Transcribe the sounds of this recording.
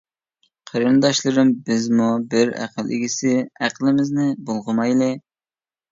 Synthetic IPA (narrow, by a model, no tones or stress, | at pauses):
qʰɑɾɨnd̪ɑʃlˠɨɾɨmbɪzmubɪɾæ̰qʰəlˠʔɪ̰ɡʲisɪæqʰlˠɪmɪznɪbolˠʁəmɑjlˠɨ